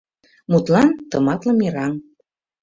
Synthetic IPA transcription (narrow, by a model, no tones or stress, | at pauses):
mut̪lɑnt̪ɤmɑt̪lɤ̆miɾɑŋ